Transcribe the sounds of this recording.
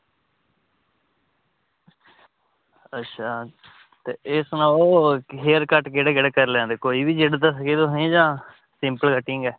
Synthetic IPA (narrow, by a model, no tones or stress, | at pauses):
ətːʃʰaː | t̪ḛːɪsnãːoːɦeːɾkəʈɡeɽeːɡeɽeːkəɾlɛ̃ːd̪eːkoːiːbiːd͡ʒeɽd̪əsəkeːd̪õːɦẽːd͡ʒãː | sɪ̃mpəlkəʈːɪŋɡɛː